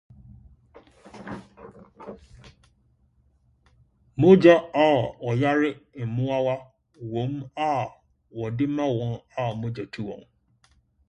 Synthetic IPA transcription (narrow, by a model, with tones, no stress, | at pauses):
mʊ̃˦d͡ʒa˦a˦˨ɔ˨ja˦ɾɪ˦m̩˨mʊ̃˦a˦wa˦ | wõ˨˦ma˦˨ | wɔ˨dɪ˦mã˦wɔ̃˦na˦˨mʊ̃˦d͡ʒɔ˨tʰu˦wɔ̰̃˨n